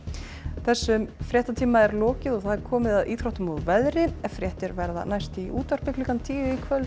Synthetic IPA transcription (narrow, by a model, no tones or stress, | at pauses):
θɛsːʏmfɾjɛht̪at̪ʰiːmaɛɾlɔːcɪðɔɣθaðɛɾ̥kʰɔːmɪðaðʔiːt̪ʰɾɔht̪ʏmɔðvɛðɾɪɛfɾjɛːht̪ɪɾvɛɾða̰najst̪iʔuːt̪ar̥pɪklikant̪ʰiːvɪikʰvœl